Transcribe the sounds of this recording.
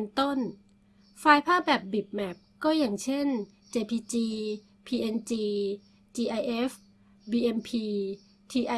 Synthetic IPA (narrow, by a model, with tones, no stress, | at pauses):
nt̪o˥˩n | faː˧jpʰaː˥˩p̚bɛː˨˩p̚bi˨˩p̚mɛ˦˥p̚kɔː˥˩jaː˨˩ŋt͡ɕʰe˥˩n | t͡ɕeː˧pʰiː˧t͡ɕiː˧ | pʰiː˧ʔe˧nt͡ɕiː˧ | t͡ɕiː˧ʔa˧jʔe˦˥f | biː˧ʔe˧npʰiː˧ | t̪ʰiː˧ʔa˧